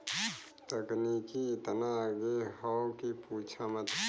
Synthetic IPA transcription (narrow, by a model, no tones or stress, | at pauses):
t̪əknikiɪt̪naɡehɔwkipuːt͡ʃʰamət̪